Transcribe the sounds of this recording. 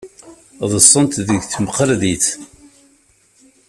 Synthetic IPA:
ðˤəsˤːənt̪ðəʝθmqəlðiθ

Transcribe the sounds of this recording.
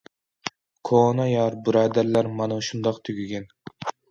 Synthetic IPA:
kʰoːnɑjɑɾbɨɾɑːd̪æɾlæɾmɑnuʃund̪ɑqt̪ʰyɡʲyɡʲɛn

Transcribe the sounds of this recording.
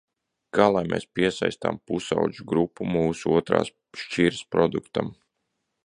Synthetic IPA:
kaːlˠajmʔḛːspiɛsa̰jst̪a̰mpusa̰wd͡ʒuɡɾupːumuːsuuɔt̪ɾa̰ːs | ʃt͡ʃiɾspɾɔd̪ukt̪am

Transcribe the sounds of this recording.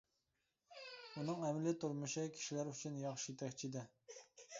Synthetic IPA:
unɨŋɛmlɪt̪uɾmuʃikʲʰi̥ʃilæɾyt͡ʃʰynjɑχʃit̪ʰɛkʲt͡ʃʰid̪ɪ

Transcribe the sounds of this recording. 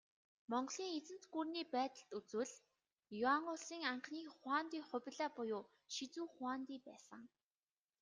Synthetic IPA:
mɔɴɢɮiːŋet͡sɘ̆n̥t͡sɡurniːpæːt̪ə̆ɬt̪ut͡swɘ̆ɮ | jʊaŋʊsiːŋaɴχniːχwaːnt̪iːŋχʊ̟p̆ʲɮaːpʊjʊː | ʃit͡suːχʊaːnt̪iːpæːsə̆ŋ

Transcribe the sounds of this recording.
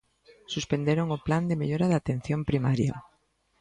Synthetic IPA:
suspend̪eɾoŋopland̪emeʎoɾaðat̪en̟θjompɾimaɾja̰

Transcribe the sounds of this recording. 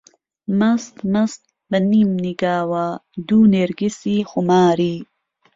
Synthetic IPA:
mɐst̪mɐst̪̚ | bɐnimniɡaːwad̪uneɾɡisixumaːɾiː

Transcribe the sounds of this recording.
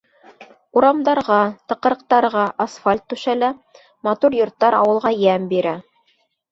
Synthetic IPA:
uɾɑmd̪ɑɾʁɑt̪ɤ̆qɤ̆ɾɤ̆q̚t̪ɑɾʁɑʔasfalʲt̪ːʉʃælæ | mɑt̪uɾjŏɾt̪ːɑɾɑ̰wɤ̆lˠʁɑjæmbiɾæ

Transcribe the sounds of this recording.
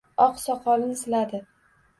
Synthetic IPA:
ɒqsɒqʰɒlɪnsɪlad̪ɪ

